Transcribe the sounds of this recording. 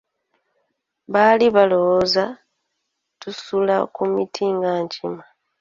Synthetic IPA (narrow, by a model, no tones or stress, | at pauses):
βaliβalowoza | tusula̰kumitʰiːŋɡaːɲcima